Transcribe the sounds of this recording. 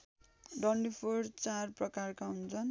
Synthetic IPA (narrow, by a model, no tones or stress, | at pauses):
ɖʌnɖipʰoɽt͡sarprʌkarkaɦunt͡sʰʌn